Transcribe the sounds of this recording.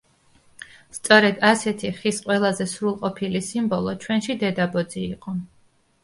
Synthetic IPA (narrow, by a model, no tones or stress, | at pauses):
st̪sʼɔɾɛd̪asɛt̪ʰiχisqʼwɛlˠazɛsɾulˠqʼɔpʰilisimbɔlˠɔt͡ʃʰwɛnʃid̪ɛd̪abɔd̪ziːqʼɔ